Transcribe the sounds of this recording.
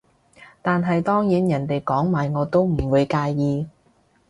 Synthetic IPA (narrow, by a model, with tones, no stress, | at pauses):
t̪aː˨nɦɐ˨jt̪ɔː˥ŋjiː˨˥njɐ˨˩nt̪e˨jkɔː˨˥ŋmaː˨jŋɔː˨˧t̪o˥wm̩˨˩wuː˨˧jkaː˧jːiː˧